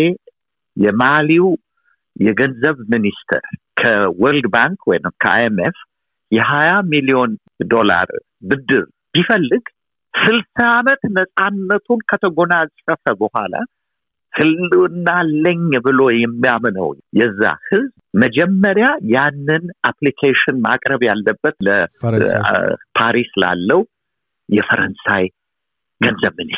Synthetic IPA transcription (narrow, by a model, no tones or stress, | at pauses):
e | jɛmaliw | jɛɡənzəβminist̪ʰə̰ɾ | kʰəwɔld̪baŋkwɔjnɨmkʰəa̰emef | jɛhajamilijo̞n | d̪o̞la̰ɾ | bɨd̪ːɨɾ | b̥ifəlːɨɡ | sɨlsamət̪nəsʼanːət̪ʰunkʰət̪ʰəɡo̞nazʼəfəbəhʷa̰la̰ | hɨlːɨɨnːalːəɲbɨlo̞jɛmːijamnə̰wjɛzːa̰hɨzbməd͡ʒɛmːəɾjajanːɨnʔaplikʰeʃɪnma̰kʼɾəβjalːəbːət̪lə | pʰaɾisla̰lːəw | jɛfəɾənsaj | ɡənzəβmɨn